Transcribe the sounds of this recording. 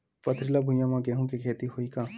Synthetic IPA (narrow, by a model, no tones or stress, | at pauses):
pɐt̪ʰɾilabʱʊ̃jãmãɡɛɦũkekʰeːt̪iɦoikaː